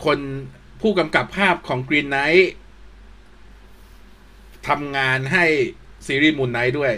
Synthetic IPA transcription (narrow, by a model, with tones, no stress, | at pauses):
kʰo˧n | pʰuː˥˩ka˧mka˨˩pʰːaː˥˩p̚kʰɔː˩˦ŋkɾiː˧nːa˦˥j | t̪ʰa˧mŋaː˧nɦa˥˩jsiː˧˦ɾiː˥˩muː˨˩nːa˦˥jdu˥˩əj